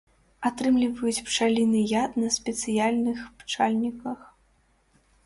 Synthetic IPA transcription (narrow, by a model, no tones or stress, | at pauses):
at̪ɾɨmlʲivɐjut͡sʲpt͡ʂalʲinɨjat̪nɐsʲpʲɛt̪sɨjalʲnɨxpt͡ʂalʲnʲikɐx